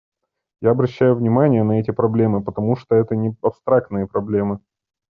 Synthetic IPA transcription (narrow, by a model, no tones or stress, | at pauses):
jaɐbɾɐɕːæjʊvnʲɪmanʲɪjənɐɛtʲɪpɾɐblʲe̞mɨpət̪ɐmuʂt̪oɛt̪ənʲɪɐpst̪ɾak̚t̪nɨjəpɾɐblʲe̞mɨ